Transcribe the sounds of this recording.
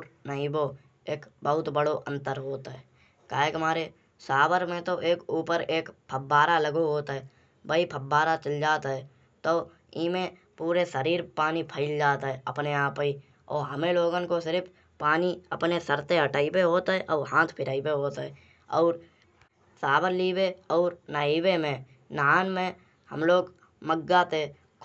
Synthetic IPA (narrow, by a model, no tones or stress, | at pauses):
ɾnəibo | eːkbəɦʊt̪bəɽoʔə̃nt̪əɾɦoːt̪ɦɛː | kaːekmaːɾe | saːbəɾmẽt̪oʔeːkuːpəɾeːkpʰəbːaːɾaləɡoɦoːt̪aɦɛ | bəipʰəbːaːɾat͡ʃəld͡ʒaːt̪aɦɛː | t̪oː | iːmẽ | puːɾesəɾiːɾpaːnipʰəɪld͡ʒaːt̪aɦɛəpneaːpi | ɔ̰ːɾɦəmẽloːɡənkosɪɾpʰ | paːniəpnesəɾt̪eəʈaːipeɦoːt̪aɦɛʔɔːɾɦãːt̪ʰpʰɪɾaːipeɦoːt̪ːɛ | ɔːɾ | saːbəɾliːbeɔːɾnaːiːbemẽ | naːnmẽ | hə̰mloːɡ | məɡːaːt̪e | k